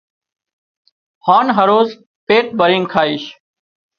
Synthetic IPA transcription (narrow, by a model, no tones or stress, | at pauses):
haːnɦəɾoːz | peːʈ̚bəɾɪ̃ŋɡkʰaːiːʃ